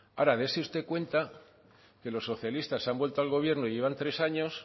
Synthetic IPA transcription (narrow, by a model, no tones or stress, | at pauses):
aɾaðe̞seust̪e̞kwe̞nt̪a | ke̞lo̞sːo̞θjalist̪asambwe̞lt̪o̞alɣo̞β̞je̞ɾnoije̞β̞ant̪ɾe̞saɲo̞s